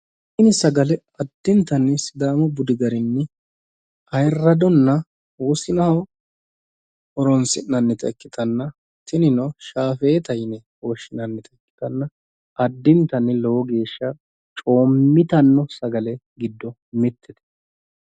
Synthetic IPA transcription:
ʔɪnɪsɐɡɐlɛ | ɐd̪ːɪnt̪ɐnːɪsɪd̪aːmɔbʊd̪ɪɡɐɾɪnːɛ | ɐjrːɐd̪ɔnːɐ | woːsɪnɐhɐw | ɔɾɔnsɪnːɐnːɛt̪ʼɛ̰kːɪt̪ɐnːɐ | t̪ɪnɪnɔʃaːfɛːt̪ɐjnɛhoːʃːɪnɐnːɛt̪ʼɛkːɪ̥t̪ɐnːɐ | ɐd̪ːɪnt̪ɐnːɪlɔwɔɡe̞ːʃːɐ | t͡ʃʼo̞ːmːɪt̪ɐnːɔsɐɡɐlɛ | ɡɪd̪ːɔ | mɪt̪ʰːɛt̪ɛ̥

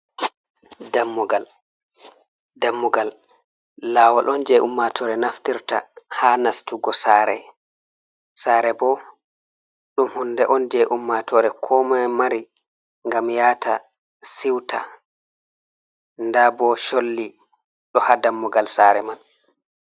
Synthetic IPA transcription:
damːɔɡal | damːɔɡalː | aːwaɗʔɔnd͡ʒɛʔumːatʰɔɾɛnaftiɾta̰hanastuɡɔsaːɾɛ̰ | saːɾɛbɔ | ɗumhundɛʔɔnd͡ʒɛʔumːatʰɔɾɛkʰɔmamaɾi | ŋɡamjaːta | siwtʰa | ndabɔʃolːi | ɗɔhadamːɔɡalsaːɾɛman

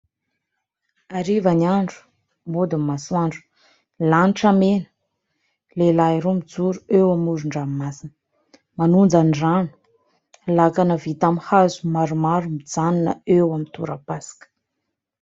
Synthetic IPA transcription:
aɾivanaɳɖ͡ʐu̥ | mod̪imːaswaɳɖ͡ʐu̥ | lanʈ͡ʂamenə̥ | lelaiɾumid͡zuɾuewamuɾuɳɖ͡ʐammasinə | manund͡zaniranu̥ | lakanəvit̪amhazu̥maɾumaɾumid͡zaninəewamint̪ṵɾapasḁkə̥

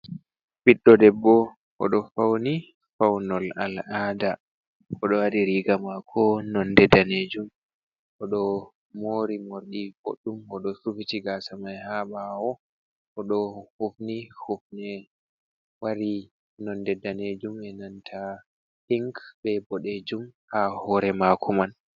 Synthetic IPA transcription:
biɗːɔdɛbːɔ | ɔ̰ɗɔfawni | fawnɔla̰laːda | ʔɔɗɔwaɾiɾiɡamakʰɔnɔndɛdaned͡ʒum | ʔɔɗɔ | moɾimoɾɗifo̰ɗːumɔɗɔsufitiɡasamajhaɓaɔ | ʔɔɗɔhofnihofnɛ | waɾi | nɔndɛdːaned͡ʒumɛnantʰa | hiŋkbɛbɔɗed͡ʒumkahɔɾɛmakʰuman

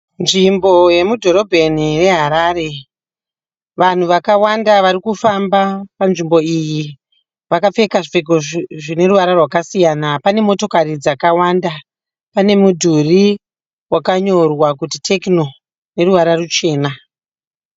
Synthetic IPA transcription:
nʐimbo̞je̞mudʱo̞ɾo̞bʱe̞nire̞ɦaɾaːɾe̞ | ʋan̤uʋakawandaʋaɾikufambapanʐimbo̞iji | ʋakap͡fe̞kaʐifekoʐine̞ruʋaɾarwakasijanapane̞mo̞to̞kaɾid͡zakawanda | pane̞mudʱuri | wakaɲo̞rwakutitʰe̞kno̞ | ne̞ruʋaɾarut͡ʃe̞ːna

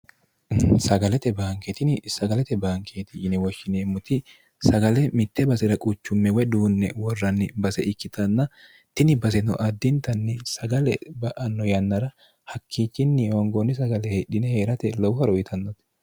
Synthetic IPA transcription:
sɐɡɐlɛt̪ɛbaːŋkɛt̪ɪnɪsɐɡɐlɛt̪ɛbaːŋkʰeːt̪ɪɪnɛwɔʃːɪneːmʊt̪ɪ | sɐɡɐlɛmɪt̪ːɛbɐsɛɾɐkʼʊt͡ʃːʊmːɛwɛd̪uːnːɛ̰wɔrːɐnːɪbɐsɛʔɪkːɪt̪ʰɐnːɐ | t̪ɪnɪbɐs̬ɛnɔʔɐd̪ːɪnt̪ɐnːɪsɐɡɐlɛbɐʔɐnːɔjɐnːɐɾɐ | hɐkʰːiːt͡ʃːɪnːɪɔŋɡonːɪs̬ɐɡɐlɛhɛɗɪnɛhe̞ːɾɐt̪ɛlɔwhɐɾɔjɪt̪ʰɐnːɔt̪

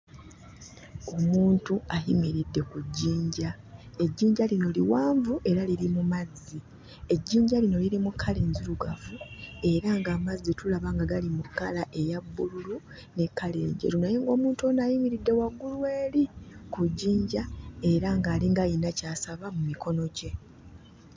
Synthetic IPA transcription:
o̞muːntuajimiɾidːe̞kuɟːiːɲɟa | e̞ɟːiːɲɟalino̞liwaːɱvuʔe̞ɾaliɾimumazːi | e̞ɟːiːɲɟalino̞liɾimukʰːaleːɲzuɾuɡavue̞ɾaŋɡaːmazːitulaβaŋɡaɡalimukːalaʔe̞jabːululu | ne̞kːale̞ːɲɟe̞̰ɾunajeŋɡo̞ːmuːntuonajimiɾidːe̞waɡːuluwe̞ːlikuɟːiːɲɟae̞ɾaŋɡaːliŋɡajinacaːsaβamumikʰo̞no̞ɟe̞

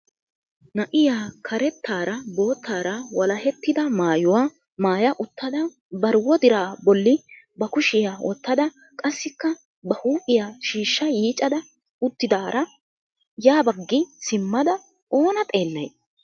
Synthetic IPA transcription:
nɐʔɪjaːkʰɐɾɛt̪ːaːɾɐbo̞ːt̪ʰːaːɾɐwɐlɐhɛt̪ːɪd̪ɐmaːjʊwaː | maːjɐʔʊt̪ːɐd̪ɐ | bɐɾwɔd̪ɪɾaːbɔlːɪ | bɐkʊʃɪjaːwɔ̰t̪ːɐd̪ɐ | kʼɐsːɪkːɐ | bɐhuːpʼɪjaːʃiːʃːɐjiːt͡ʃʼɐd̪ɐ | ʊt̪ːɪd̪aːɾɐ | jaːbɐɡːɪsɪmːɐd̪ɐ | o̞ːnɐt̪ʼe̞ːlːɐj

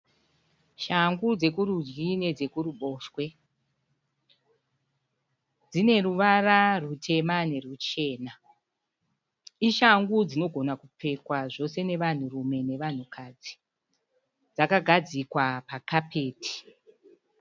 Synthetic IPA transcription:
ʃaŋɡud͡ze̞kuɾud͡ʒɡine̞d͡ze̞kuɾuɓo̞ːʃwe̞ | d͡zine̞ruʋararutʰe̞mane̞rut͡ʃe̞ːna | iʃaŋɡud͡zino̞ɡʱo̞nakupʰe̞kwaʐo̞se̞ne̞ʋan̤urume̞ne̞ʋan̤ukʰad͡zi | d͡zakaɡʱad͡zikwapakapʰe̞ːtʰi̥

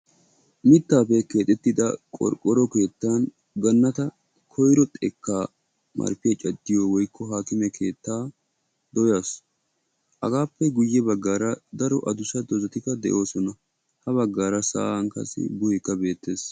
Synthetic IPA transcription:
mɪt̪ːaːpɛke̞ːt̪ʼɛt̪ːɪd̪ɐkʼɔ̰ɾkʼːɔɾɔke̞ːt̪ːan | ɡɐnːɐt̪ɐ | kʰɔjɾɔt̪ʼɛkːaː | mʔɐ̰ɾpɪɐt͡ʃʼɐd̪ːɪjoːwɔjkʰːɔɦaːkɪmɛkʰe̞ːt̪ːaː | d̪ɔjas | ʔɐɡaːpːɛɡʊjːɛbɐɡːaːɾɐd̪ɐɾɔʔɐd̪ʊsɐd̪ɔzɐt̪ɪkɐd̪ɛ̰ʔo̞ːsɔnɐ | hɐβɐɡːaːɾɐsa̰ːɐŋkɐ̰sɪ̰bʊjɛkːɐbe̞ːt̪ːe̞ːs

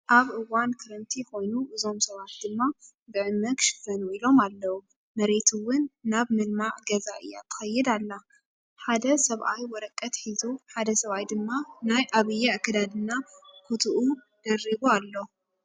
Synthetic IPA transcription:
ʔaβʔɨwankʰɨɾɐnt̪ʰixo̞jnuʔɨzo̞msɐβat̪̚d̪ɨmːa | bɨʕɨmːɐɡʃɨ̥fɐnuilo̞malːɐwu | mɐɾe̞t̪ʰuwʊnːaβmɨlmaʕɡɐzaɨ̰jːa̰t̪ʰːɨ̥xɐjːɛd̪alːa | ħad̪ɐsɐβʔajwɔɾɐkʼːɐt̪ħizuħad̪ɐsɐβajd̪ɨmːanajʔaβɨjːaɨkʰːɨd̪ad̪ɨnːakʰut̪ʰuʔu | d̪̥ɐrːiβualːo

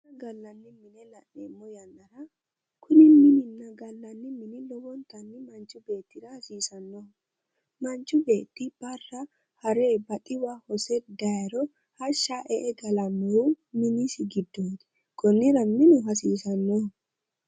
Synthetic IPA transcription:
nɐɡɐlːɐnːɪmɪnɛlɐʔeːmːɔjɐnːɐɾɐ | kʰʊnɪmɪnɪnːɐɡɐlːɐnːɪmɪnɪlɔwɔnt̪ːɐnːɪmɐnt͡ʃʼːʊbeːt̪ːɪɾɐhɐsiːsɐnːɔ | mɐnt͡ʃʼːʊbe̞ːt̪ːɪb̥ɐrːɐ | hɐɾeːbɐt̪ʼɪwahɔsɛd̪ɐɾɔ | hɐʃːaʔɛʔɛɡɐlɐmɔɾu | mɪnɪsɪɡɪd̪ːoːt̪ɛ̥ | kɔnːɪɾɐnːɪnʊɦɐsiːsɐnːɔ

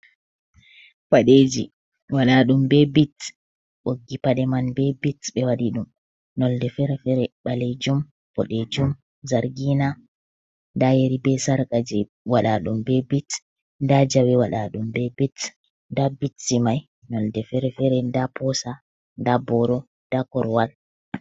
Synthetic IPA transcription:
faɗed͡ʒḭ | waɗaɗumbɛbit | ɓoɡːipaɗɛmanbɛbitɓɛwaɗiɗum | nɔldɛfɛɾɛfɛɾɛɓaled͡ʒum | b̥ɔ̰ɗed͡ʒum | zaɾɡina | ndajeɾibɛsaɾkad͡ʒɛ | waɗaɗumbɛbit | ndad͡ʒawɛwaɗaɗumbɛbit | ndabitːimaj | nɔldɛfɛɾɛfɛɾɛndapɔsa | ndabɔɾɔ | d̥akɔɾwal

